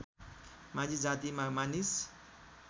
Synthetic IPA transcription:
mãd͡zid͡zat̪imamanis

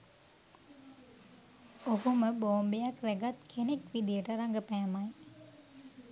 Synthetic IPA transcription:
oɦuməboːmbejakɾæɡat̪kʰenekʋid̪ijəʈəɾaŋɡəpæːmaj

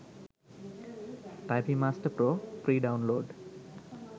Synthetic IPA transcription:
ʈajpimaːsʈəɾpɾoːpɾiːɖawnloːɖ

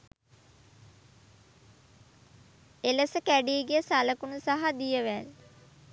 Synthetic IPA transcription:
eləsəkæɖiːɡijəsaləkunusaɦad̪ijəʋæl

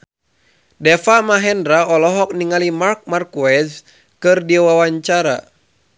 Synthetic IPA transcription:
dɛfamaɦɛndɾaɔlɔɦɔk̚niŋalimark̚markuɛz | kɨrdiwawaɲt͡ʃaɾa̰

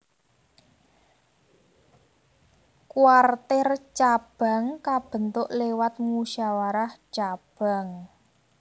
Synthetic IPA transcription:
kuwart̪ɪrt͡ʃab̥a̤ŋkab̥ə̤nt̪ʊʔlewat̪̚muʃawaɾaht͡ʃab̥a̤ŋ

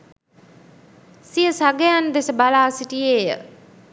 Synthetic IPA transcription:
sijəsaɡəjand̪esəbalaːsiʈieːjə̰

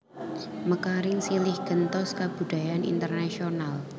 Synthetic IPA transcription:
məkaɾɪŋsilɪhɡ̥ənt̪ɔskab̥ṳd̥ajanḭnt̪ərnasional

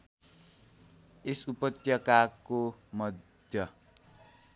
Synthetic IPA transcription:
esupʌt̪jʌkakomʌd̪ʱjʌ

